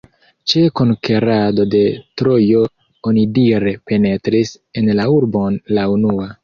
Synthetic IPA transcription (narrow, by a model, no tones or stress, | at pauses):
t͡ʃekonkeɾado̞de̞tɾojo̞ | onidiɾe̞pe̞ne̞tɾis | enlauɾbo̞nlaunua